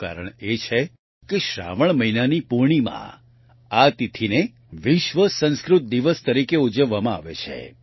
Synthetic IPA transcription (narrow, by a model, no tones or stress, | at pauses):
ka̰ɾəɳ̃et͡ʃʰe | keʃɾa̰ʋəɳ̃məinanipuɾɳimã̰ | at̪it̪ʰine | ʋɪʃʋəsə̃nskɾʊt̪̚d̪iʋəst̪əɾikeud͡ʒəʋːamãa̰ʋḛt͡ʃʰḛ